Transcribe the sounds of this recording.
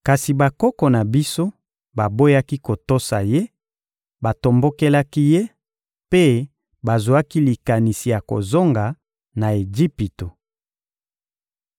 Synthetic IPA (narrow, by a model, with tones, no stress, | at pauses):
ka˨si˨ba˨kɔ˦kɔ˨na˨bi˦so˦ | ba˨bo˦ja˦ki˦ko˨to˦sa˨je˦ | ba˨to˨mbo˦ke˦la˦ki˦je˦ | pe˦ | ba˨zu˨a˦ki˦li˨ka˨ni˨si˨ja˨ko̰˨zo˦ŋɡa˨ | na˨e˨d͡ʒi˦pi˨to˨